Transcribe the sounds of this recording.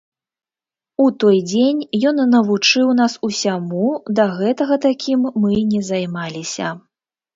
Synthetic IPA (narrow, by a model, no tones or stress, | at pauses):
ut̪ɔjd͡zʲenʲjɔnːɐvut͡ʂɨwn̪asusʲamud̪ɐɣɛt̪ɐɣɐt̪akʲʰimːɨnʲɛzajmalʲisʲɐ̰